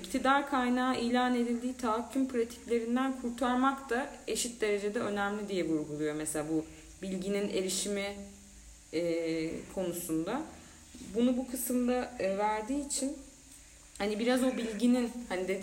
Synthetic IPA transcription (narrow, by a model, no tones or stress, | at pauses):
ict̪ʰid̪aɾkʰajnaːʔijlʲaːne̞d̪ilʲd̪iːt̪ʰaɦacʰːympʰɾat̪ʰi̥clʲe̞ɾind̪ænkʰuɾt̪ʰaɾmakt̪ʰae̞ʃit̪̚d̪e̞ɾe̞d͡ʒe̞d̪ɛø̞næmlʲid̪ijɛbuɾɡulˠujo̞meselaːbu | bilʲɟinine̞ɾiʃimi | kʰo̞nusund̪a | bunubukʰɯsɯmd̪avæɾd̪iːt͡ʃʰin | hanibiɾazo̞bilʲɟininhanid̪e